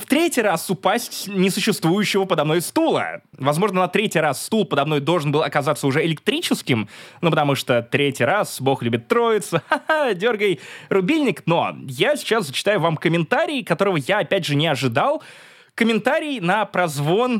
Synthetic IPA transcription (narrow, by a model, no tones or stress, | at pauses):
ft̪ɾʲetʲɪjɾasʊpasʲtʲnʲɪsʊɕːɪst̪vujʉɕːɪvəpəd̪ɐmno̞jst̪ulˠə̰vɐzmo̞ʐnənɐt̪ɾʲetʲijɾasːt̪ulˠpəd̪ɐmno̞jd̪o̞lˠʐənbɨlˠɐkɐzat̪səʊʐɛɪlʲɪk̚t̪ɾʲit͡ɕɪskʲɪmnupət̪ɐmuʂt̪ot̪ɾʲetʲijɾasbo̞xlʲʉbʲɪt̪ːɾo̞jɪt̪səadʲo̞rɡəjrʊbʲilʲnʲɪkno̞̰jasʲɪ̥t͡ɕaszət͡ɕɪ̥t̪ajʊvamkəmʲɪnt̪aɾʲɪːkɐt̪o̞ɾəvəjaɐpʲædʲʐɨnʲɪɐʐɨd̪alˠ | kəmʲɪnt̪aɾʲɪjnəpɾɐzvo̞n